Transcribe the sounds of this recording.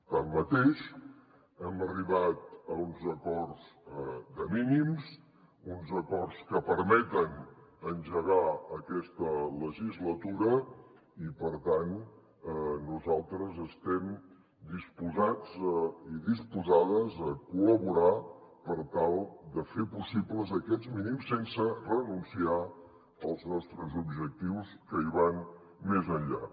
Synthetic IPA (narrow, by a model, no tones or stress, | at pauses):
t̪amːət̪eʃ | ɛməriβat̪əunzəkɔrz̥d̪əminims | unzəkɔrskəpəɾmɛt̪ənənʲʒəɣ̞aəkɛst̪ələʒizlət̪uɾə | ipəɾt̪an | nuzalˠt̪ɾəzəst̪ɛm | d̪ispuzad͡ziðispuzaðəzəkuləβuɾapəɾt̪alˠd̪əfepusipləzəkɛd͡zminimsːensərənunsia | əlˠznɔst̪ɾəzubʒək̚t̪iwskəiβan | mezəɲʎa̰